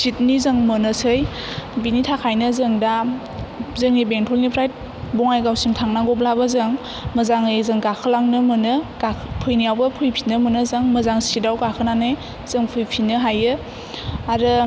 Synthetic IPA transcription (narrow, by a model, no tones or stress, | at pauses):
sit̚nizɯŋmɯnɯsɯj | binitʰakʰajnɯzɯŋda | zɯŋnibeŋtʰɔlnipʰɾajt̚ | bɔŋajɡawsiŋtʰaŋnaɡɔb̚labazɯŋ | məzaŋɯjzɯŋɡakʰɯlaŋnɯmɯnɯɡapʰɯjnijawbɯpʰɯjpʰinɯmɯnɯzaŋməzaŋsidawɡakʰɯnanɯj | z̥ɯŋpʰujpʰinɯɦajɯ | aɾɯ